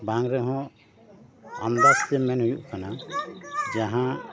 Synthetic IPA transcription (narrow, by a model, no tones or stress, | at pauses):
baŋɾɛɦɔ̃ | amd̪ast̪ɛmɛnɦujuʔkʰana | d͡ʒaɦã